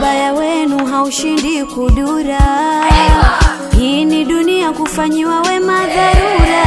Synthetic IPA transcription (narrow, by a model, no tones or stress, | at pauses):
ɓajawɛnuɦauʃindikuɗuɾa | hiːniɗuniakufaɲiwawɛmaðaɾuɾa